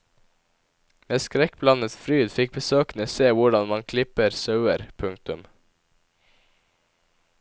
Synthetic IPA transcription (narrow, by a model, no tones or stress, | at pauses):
meːskɾɛk̚blɑnət̪fɾyːd̪fɪk̚bəsøːknəseːʋʊɖɑnmɑŋkʰlɪpəɾsɑʉəɾpʰʉŋk̚t̪ʉm